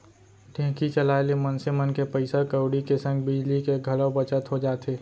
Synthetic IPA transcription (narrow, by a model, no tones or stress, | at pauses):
ʈʰɛ̃ɦkit͡ʃəlaːlemənsɪmənkepəɪsakəʊɽikesə̃ŋɡbɪd͡ʒlikeɡʱɐlobət͡ʃət̪ɦod͡ʒaːt̪eː